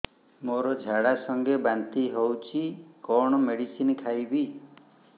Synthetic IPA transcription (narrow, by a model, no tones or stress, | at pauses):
moɾɔd͡ʒʱaɽasɔŋɡebant̪iɦowt͡ʃʰikɔɽ̃ɔmeɽisinkʰajbi